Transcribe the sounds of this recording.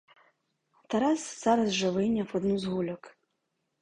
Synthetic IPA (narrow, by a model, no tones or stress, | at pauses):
t̪ɛɾasz̥ɑɾɐzʒɔʋɪjnʲɐwɔd̪nuzɦulʲɔk